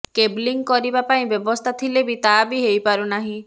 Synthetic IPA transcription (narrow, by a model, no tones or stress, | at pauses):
kebliŋɡkɔɾibapaĩbjɔbɔst̪ʰat̪ʰilebit̪abiɦejpaɾunaɦĩ